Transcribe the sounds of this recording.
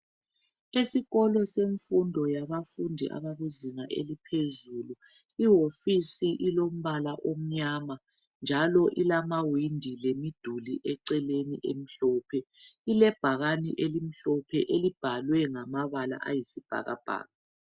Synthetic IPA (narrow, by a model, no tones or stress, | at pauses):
isiɣɔlɔseɱfundʱɔjaβafundʱḭʔa̰βaɣeziŋaʔḛlipʰezulu | iɦofisiʔilom̩βalaʔom̩ɲama | nd͡ʒʱalɔʔilamawindʱilemid̥ʱuliʔɛǀɛlenḭʔem̩ɬɔpʰɛilɛb̥ʱaɣanḭʔelim̩ɬɔpʰɛʔelib̥ʱalwɛŋamaβala̰ʔajisib̥ʱa̰ɣa̰b̥ʱa̰ːɣa